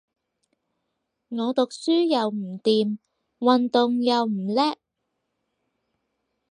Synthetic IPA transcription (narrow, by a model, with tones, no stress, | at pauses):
ŋɔː˨˧t̪ʊ˨k̚syː˥jɐ˨wm̩˨˩t̪iː˨m | wɐ˨nt̪ʊ˨ŋjɐ˨wm̩˨˩lɛː˥k̚